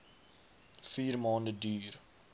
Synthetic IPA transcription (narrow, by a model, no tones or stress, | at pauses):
fiːrmɑːndədyːr